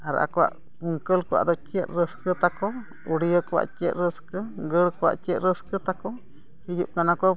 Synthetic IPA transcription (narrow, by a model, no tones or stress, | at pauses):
aɾʔa̰kʷa̰ʔ | uŋkəlkʷa̰ʔd̪ot͡ʃeʔɾəskɨt̪ako | uɽiəka̰ʔt͡ʃeʔɾəskəɡəɽkʷa̰ʔt͡ʃeʔɾəskət̪ako | hijuʔ̚kanãkʷə